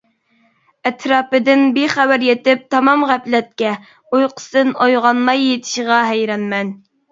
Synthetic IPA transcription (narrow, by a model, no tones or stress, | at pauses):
ɛt̪ʰɾɑːpɨd̪ɪnbiχæbæɾjet̪ɪp̚t̪ʰɑmɑmʁæplɛt̪̚kʲɛ | ojqʰə̥sd̪ɨnojʁɑnmɑjːet̪ʰɪ̥ʃəʁɑɦɛjɾɑnmɛn